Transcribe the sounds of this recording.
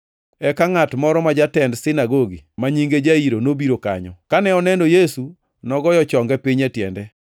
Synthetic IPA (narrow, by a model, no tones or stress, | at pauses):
ɛkaŋatmɔɾɔmad͡ʒatɛndsɪnaɡoɡimaɲiŋɡed͡ʒaiɾonobiɾoka̰ɲɔ̰kanɛɔnɛndojesu | nɔɡɔjɔt͡ʃɔŋɡɛpiɲɛtjɛndɛ